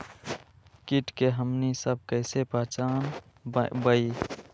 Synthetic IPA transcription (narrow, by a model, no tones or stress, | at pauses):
kiʈkeɦəmnisəb̚kəɪsepəɦt͡ʃaːn | bəi